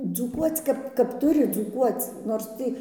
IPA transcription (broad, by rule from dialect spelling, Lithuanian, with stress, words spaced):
d͡zuːˈkuɔt͡s ˈkɐp kɐp ˈtʊrʲɪ d͡zuːˈkuɔt͡s noːrs ˈtʲiː